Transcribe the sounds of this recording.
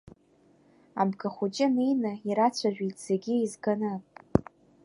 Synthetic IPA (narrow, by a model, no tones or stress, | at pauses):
abɡaχʷut͡ʃʼɪnejnɨiɾat͡sʷʰaʒᶣitʼz̥eɡʲiizɡanɨpʼ